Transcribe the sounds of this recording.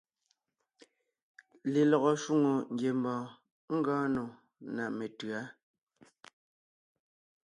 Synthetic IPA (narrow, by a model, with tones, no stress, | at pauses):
le˨lɔ˨ɣɔ˨ʃu˦ŋo˨ŋ̩˦ɡje˨mbɔ̃ː˨ | ŋ̩˦ɡɔ̃ː˦no˨ | na˨me˨tɰa˨˦